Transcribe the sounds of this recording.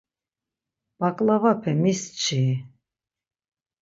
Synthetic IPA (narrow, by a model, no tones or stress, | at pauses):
b̥akʼlavapʰɛmist͡ʃʰi